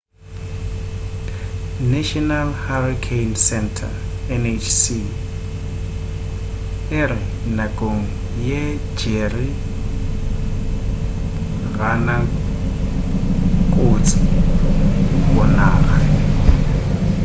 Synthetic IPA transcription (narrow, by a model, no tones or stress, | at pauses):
nɛʃɔnalharikʰejnsɛntʰa̰ | ɛnet͡ʃʰsi | ɪrɪ | nakʼoŋ̩ | je | d͡ʒeri | ɣana | kʼʊt͡sʼɪ | bɔnaːɣa